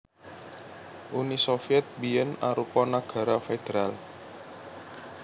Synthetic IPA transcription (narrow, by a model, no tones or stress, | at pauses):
ʔunisofiɛt̪̚biənaɾupɔnaɡ̥a̤ɾafed̪̥eɾal